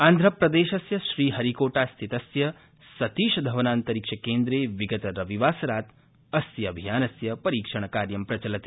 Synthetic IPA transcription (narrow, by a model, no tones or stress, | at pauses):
aːnd̪ʱɾɐpɾɐd̪eːʃɐsjɐʃɾiːɦɐɾikoːʈaːst̪ʰit̪ɐsjɐ | sɐt̪iːʃɐd̪ʱɐʋɐnaːnt̪ɐɾiːkʂɐkeːnd̪ɾeːʋiɡɐt̪ɐɾɐʋiʋaːsɐɾaːt̪ | ɐsjɐɐbʱijaːnɐsjɐpɐɾiːkʂɐɳ̃ɐkaːɾjɐmpɾɐt͡ʃɐlɐt̪i̥